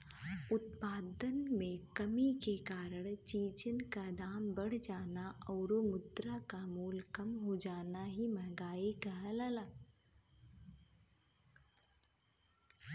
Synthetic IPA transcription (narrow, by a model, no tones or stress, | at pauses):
ʊt̪paːd̪ənmẽkɐmikekaːɾəɽ̃t͡ʃiːd͡ʒənkad̪aːmbɐɽ̤d͡ʒaːnaɔːɾomʊd̪ɾakamuːlkɐmɦod͡ʒaːnaɦimə̃ɡaːekɐɦələlaː